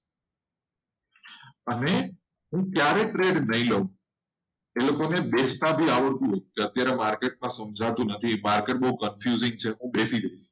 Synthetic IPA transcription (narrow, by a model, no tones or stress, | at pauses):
əne | ɦũkjaɾeʈɾeɖnəɦĩləũ | elokonebest̪abʱiaʋəɾt̪ũɦot̪ũkeət̪jaɾemaɾkeʈ̚mãsəmd͡ʒʱat̪ũnət̪ʰimaɾkeʈ̚bəɦukənfjuzɪ̃ŋɡ̚t͡ʃʰeɦũbesid͡ʒaiʃ